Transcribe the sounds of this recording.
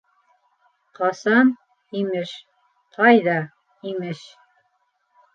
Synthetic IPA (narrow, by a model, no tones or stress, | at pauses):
qɑsɑn | imɘʃ | q̪ʰɑjðɑ | imɘʃ